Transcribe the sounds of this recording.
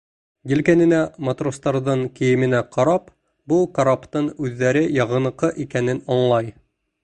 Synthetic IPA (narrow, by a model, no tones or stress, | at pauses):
jɘ̆lkænɘ̆næmɐt̪rost̪ɑɾðɤɴkɘ̆jɘ̆mɘ̆næqʰɑɾɑp | bukɐɾapt̪ɤɴʉðːæɾɘjɑʁɤ̆nɤ̆qɤʔikænɘnɒɴlˠɑj